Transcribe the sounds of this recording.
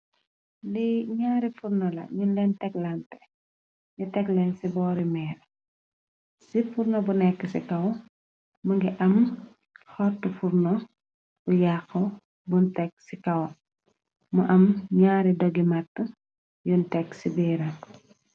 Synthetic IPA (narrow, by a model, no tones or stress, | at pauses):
liɲaːɾifurnɔlɐ̰ɲunlɛntɛklɐntɛ̥ | ɲutɛklɛnsibɔːɾimɛːɾ | sifuɾnɔbunɛkːəsikɐw | muŋɡiʔɐm | xɔtːufuɾnɔ | bujaxɐ | buntɛkːsikɐw | muʔɐmɲaːɾidɔɡimatːə | juntɛkːsibɛːɾɐ